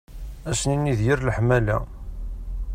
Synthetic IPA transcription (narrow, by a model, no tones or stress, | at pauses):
æsninːiðjəɾləħmælæ